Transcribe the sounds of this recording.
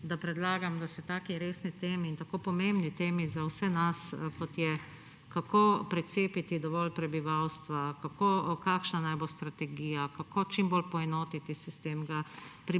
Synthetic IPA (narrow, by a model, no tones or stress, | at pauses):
d̪apɾɛd̪laːɡamd̪asɛt̪aːkiɾeːsnit̪eːmiːnt̪akopɔmẽmbnit̪eːmizawsɛnaskɔt̪jɛ | kakopɾɛt̪seːpit̪id̪ɔʋɔlpɾɛbiʋawst̪ʋakakoːkaːkʃnanajbost̪ɾat̪ɛɡiːjakakoːt͡ʃimbolpɔɛnoːt̪it̪isist̪eːmɡapɾi